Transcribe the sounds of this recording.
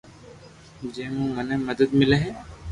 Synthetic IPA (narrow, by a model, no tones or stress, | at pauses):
d͡ʒeːmũmɐnemɐd̪əd̪mɪleɦɛː